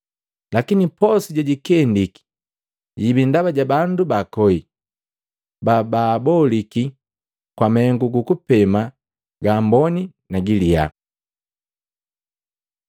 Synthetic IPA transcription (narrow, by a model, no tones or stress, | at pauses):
lakinipɔsiɟaɟikɛndiki̥ | ɟibindaβaɟabandubakɔi | bababɔliki | kwamɛŋɡuɡukupɛma | ɡaːmbɔni | naɡilia̰